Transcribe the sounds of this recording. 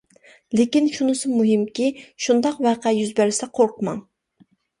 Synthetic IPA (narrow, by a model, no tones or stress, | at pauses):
lɪkʲinʃunɨsʊmuɦɪmkʲiʃund̪ɑqvæqɛjyzbɛɾɪsɛqʰoɾqʰmɑŋ